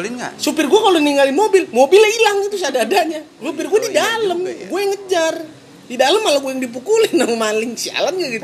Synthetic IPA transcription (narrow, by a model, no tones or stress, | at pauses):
linŋa̰supɪrɡuakaloniŋalinmobilmobilailaŋit̪usadaːdaɲa | supɪrɡuadidaləmɡuajaŋəd͡ʒar | didaləmalaɡuajaŋdip̬ukulinamalɪŋsia̰lamd͡ʒaɡit̪